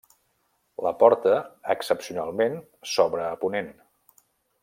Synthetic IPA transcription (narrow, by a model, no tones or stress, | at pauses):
ləpɔɾt̪əəksəpsiunalˠmen | sɔβɾəːpunen